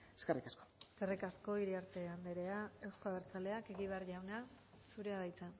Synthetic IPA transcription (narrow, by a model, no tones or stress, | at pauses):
eskerikasko̥eskerikasko̞iɾiaɾt̪e̞and̪eɾe̞ae̞wsko̞aβ̞eɾt͡sale̞ake̞ɣiβ̞e̞arʝawna | suɾe̞aðajt͡sa